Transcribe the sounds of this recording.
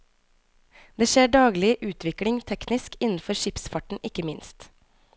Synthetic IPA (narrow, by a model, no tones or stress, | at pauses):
d̪eːʃeːɖɑːɡlɪʔʉːt̪ʰʋɪklɪŋt̪ʰɛknɪskɪnn̩fɔɾʃɪpsfɑʈɳ̩ʔɪkəmɪnst̪